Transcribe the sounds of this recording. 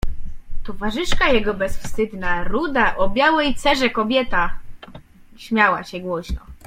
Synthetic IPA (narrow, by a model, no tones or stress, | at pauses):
t̪ɔvaʐɘʂkajɛɡɔbɛsfst̪ɘd̪naɾud̪aʔɔbʲjawɛjt̪sɛʐɛkɔbʲjɛt̪a | ɕmʲjawa̰ɕɛɡwɔɕnɔ̰